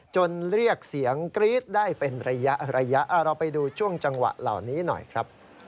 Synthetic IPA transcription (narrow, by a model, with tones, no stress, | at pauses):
t͡ɕo˧nɾi˥˩ək̚si˩˦əŋkɾiː˦˥t̪̚daː˥˩jpe˧nɾa˧ja˦˥ʔɾa˧ja˦˥ʔa˧˩ɾa˧wpa˧jduː˧t͡ɕʰu˥˩əŋt͡ɕa˧ŋwa̰˨˩ʔla̰˨˩wniː˦˥nɔ̰˨˩jkʰɾa˦˥p̚